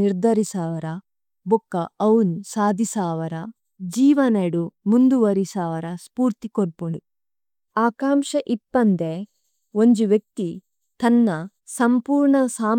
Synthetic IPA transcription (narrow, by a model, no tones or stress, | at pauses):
iɾd̪ʱɐɾisaːʋɐɾɐ | bukːɐɐwunsaːd̪ʱisaːʋɐɾɐ | d͡ʒiːʋɐneɽumund̪uʋɐɾisaːʋɐɾɐspuːɾt̪ikoɾpuɳu | aːkaːmʃɐʔipːɐnd̪e | oɲd͡ʒuʋjɐk̚t̪i | t̪ɐnːɐ | sɐmpuːɾɳɐsaːm